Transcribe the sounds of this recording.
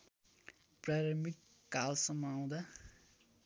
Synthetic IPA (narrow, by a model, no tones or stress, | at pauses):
praɾʌmik | kalsʌmːʌːw̃d̪a